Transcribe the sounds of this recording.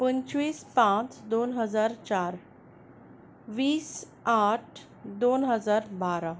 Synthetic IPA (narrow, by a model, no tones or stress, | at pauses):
pənt͡ɕʋiːspãt͡sd̪onɦəd͡zaɾt͡ɕaɾ | ʋiːs | aʈ̚ʰ | d̪onɦəd͡zaɾbaɾa